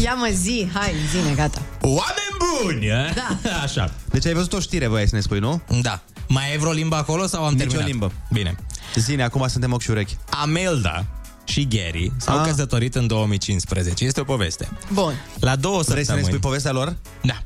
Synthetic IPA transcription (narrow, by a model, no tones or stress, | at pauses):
jaməziɦajzineɡat̪awamenʲbunʲd̪aaʃa̰d̪̥e̞t͡ʃajvəzut̪o̞ʃt̪iɾe̞vɾojajsəne̞spujnud̪a | majejvɾolimbəako̞lo̞sawamt̪eermt͡ʃiolalimbəbine̞̰zineakumasɨnt̪emokʃiuɾekʲameld̪a̰ | ʃiɡʲeɾḭsakəs̬ət̪o̞ɾit̪ɨnd̪o̞wəmit͡ʃinspɾezet͡ʃeje̞st̪eo̞po̞ve̞st̪e̞̥bunlad̪o̞wəsəɾejst̪əmnespujpo̞ve̞s̬t̪ealo̞r | d̪a